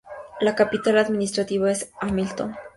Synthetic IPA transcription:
lakapit̪alaðminist̪ɾat̪iβaesamilt̪on

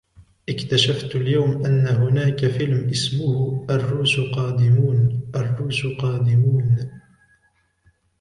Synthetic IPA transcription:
ʔɪkt̪aʃaft̪aljawmʔanːaɦʊnaːkafɪlmʔɪsmʊhʔarːuːʃqɑːd̪ɪmuːnʔarːuːʃqɑːd̪ɪmuːn

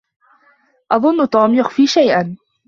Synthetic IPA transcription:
ʔɑðˤʊnːʊt̪ˤuːmjʊxfiːʃajʔan

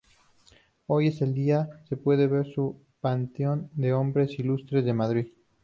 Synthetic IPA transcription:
o̞je̞se̞ld̪iase̞pwe̞ðeβe̞ɾsu | pant̪eo̞nd̪e̞o̞mbɾe̞silust̪ɾe̞zðe̞maðɾið

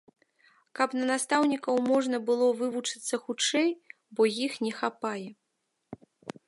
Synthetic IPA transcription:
kɐpnɐnast̪awnʲikɐwmɔʐnɐbɨlˠɔvɨvut͡ʂɨ̥t̪sːɐxut͡ʂɛj | bɔjixnʲɛxapajɛ

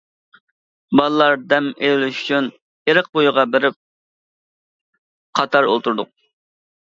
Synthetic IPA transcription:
bɑlˠlˠɑɾd̪ɛmelɪlyʃy̥t͡ʃʰyn | eɾəq̚bojʊʁɑbeɾɪp̚ | qʰɑt̪ʰɑɾo̰lˠt̪ʰuɾd̪ʊq̚

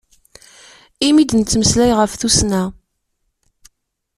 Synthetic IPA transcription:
imid̪nt͡sːməslæjʁəfθusnæ

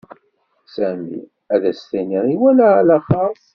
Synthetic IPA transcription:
sæmḭ | æðæst̪æniɾiwælælæχas

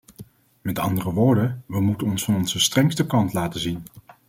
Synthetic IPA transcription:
mɛtɑ̰ndərəʋʊːɹdənʋəmutənɔnsfɑnɔnzəstrɛŋstəkɑntlaːtəzin

